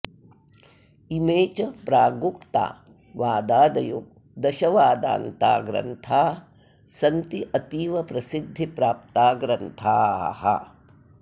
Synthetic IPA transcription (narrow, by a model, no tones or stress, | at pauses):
imeːt͡ʃɐpɾaːɡupt̪a̰ː | ʋaːd̪aːd̪ɐjuk | d̪ɐʃɐʋaːd̪a̰ːnt̪a̰ːɡɾɐ̰nt̪ʰaː | sɐnt̪iʔɐt̪iːʋɐpɾɐsid̪ʱːipɾaːp̚t̪aːɡɾɐnt̪ʰa̰ːhɐ̰